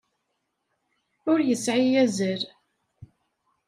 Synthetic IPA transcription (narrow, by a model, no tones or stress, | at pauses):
ʊɾjəsʕijæzəɾ